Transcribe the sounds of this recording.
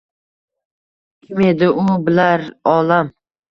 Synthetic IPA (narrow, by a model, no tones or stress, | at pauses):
kʲʰɪme̞d̪ɪʔʊbɪlaɾɒlam